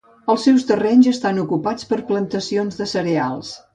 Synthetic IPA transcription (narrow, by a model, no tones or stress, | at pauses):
əlˠsːɛwst̪ərɛnzəst̪anukupat͡spəɾplənt̪əsionzðəsəɾealˠs